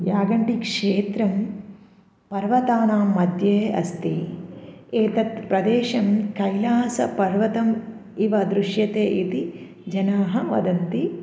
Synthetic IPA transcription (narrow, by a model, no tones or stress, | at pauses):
jjaːɡɐɳʈikʂeːt̪ɾɐm | pɐɾʋɐt̪aːnaːmːɐd̪jeːɐ̰st̪i | eːt̪ɐt̪pɾɐd̪eːʃɐmkɐjlaːsɐ̰pɐɾʋɐt̪ɐm | iʋɐd̪ɾuʃjɐt̪eːʔit̪i | d͡ʒɐnaːɦɐʋɐ̰d̪ɐnt̪i